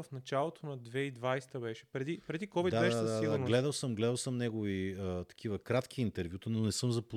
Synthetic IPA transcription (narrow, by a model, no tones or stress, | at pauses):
ɐfnɐt͡ʃalˠot̪ʰonɐd̪vɛid̪vajst̪əbɛʃɛ̥pɾɛd̪ipɾɛd̪ikɔbvit̪d̪adbɛʃɛaad̪adiɡ̪anɡlɛd̪əlˠsəmɡlɛd̪əlˠsəmnɛɡoviət̪ɐ̥kʰivəkɾat̪kiːnt̪ɛɾvʲjut̪ənonɛsɤmzɐpo